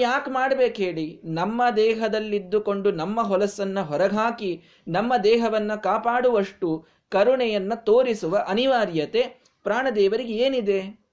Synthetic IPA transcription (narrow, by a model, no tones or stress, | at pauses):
jaːkmaːɽbeːkɦeːɭinɐmːɐd̪ɛːɦɐd̪ɐlːid̪ːukoɳɖunɐmːɐɦɔlɐsːɐnːɐɦɔɾɐɡʱaːki | nɐmːɐd̪ɛːɦɐʋɐnːɐkaːpaːɽuʋɐʂʈu | kɐɾuɳɛjɐnːɐt̪oːɾisuʋɐʔɐniʋaːɾjɐt̪e̞ | pɾaːɳɐd̪ɛːʋɐɾiɡeeːnid̪e